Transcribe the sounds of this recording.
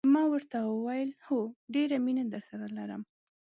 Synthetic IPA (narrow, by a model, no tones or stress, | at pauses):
mɑwəɾt̪awəwajəlhoɖeɾaminad̪əɾsaɾalaɾə̰m